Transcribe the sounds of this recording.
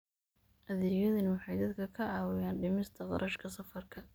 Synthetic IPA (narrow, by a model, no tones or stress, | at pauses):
ʔɐðɪːjɐðɐnwɑħɑjd̪ɐd̪kʰɐkʰɐʕɑːwɪjaːnɖɪmɪst̪ʰɐqɑ̰ɾʔɐʃkʰɐsɐfɐrkʰɐ